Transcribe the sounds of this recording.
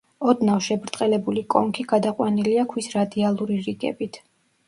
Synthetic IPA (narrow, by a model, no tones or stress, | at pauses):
ɔd̪nafʃɛbɾt̪ʼqʼɛlɛbulikʼɔ̰ŋkʰiɡad̪aqʼwaniliakʰwisɾad̪ialˠuɾiɾiɡɛ̰bit̪ʰ